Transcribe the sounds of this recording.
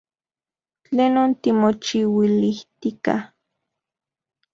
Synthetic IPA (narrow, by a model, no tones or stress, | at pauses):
t͡ɬeːnont̪imot͡ʃiwiliht̪ika̰h